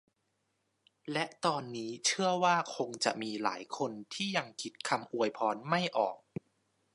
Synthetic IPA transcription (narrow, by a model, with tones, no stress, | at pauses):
lɛ˦˥ʔt̪ɔː˧nːiː˦˥t͡ɕʰɯ˥˩əwaː˥˩kʰo˧ŋt͡ɕa˨˩ʔmiː˧la̰ː˩˦jkʰo˧nt̪ʰiː˥˩ja˧ŋkʰi˦˥t̪̚kʰa˧mʔu˧əjpʰɔː˦˥nma˥˩jʔɔː˨˩k̚